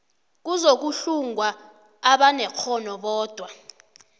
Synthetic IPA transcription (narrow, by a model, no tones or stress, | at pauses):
k̬uzok̬uɬuŋwa | aɓanɛk͡xʰɔnɔɓɔːd̥ʱwa